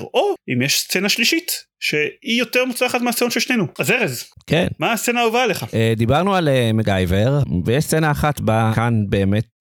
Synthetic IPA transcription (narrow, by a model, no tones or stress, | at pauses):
oimjeʃst͡senaʃliʃit̪ | ʃe̞ijo̞t̪eʁmut͡slaχat̪measeonʃeʃnenuazeʁezkenmaːst͡senaovaleχaed̪ibaʁnualemeɡajveʁvejeʃst͡senaːχat̪bakanbe̞ːmet̪